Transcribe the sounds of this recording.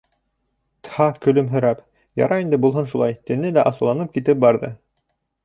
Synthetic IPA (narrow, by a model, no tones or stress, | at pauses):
t̪hɑkɵ̆lɵmɦɵ̆ɾæp | jɑ̰ɾʔɑind̪ɘbulˠɦɤnʃulˠɑjt̪ɘ̆nɘlæʔɑsɤ̆lˠɑnɤp̚kit̪ɘp̚bɑɾðɤ̰